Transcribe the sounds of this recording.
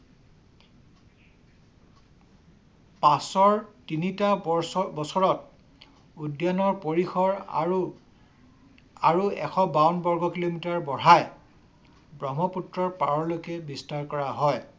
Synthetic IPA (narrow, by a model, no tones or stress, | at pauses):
pasɔɹtinitabɔsɔɹɔt̚ | udjanɔɹpoɹixʰɔɹ | aɹuɛ̰kʰɔbawnbɔɹɡʱɔkilomitaɹbɔɹaj | bɹɔmɔputɹɔɹpaɹɔɹlokɛbistaɹkɔɹaɦɔj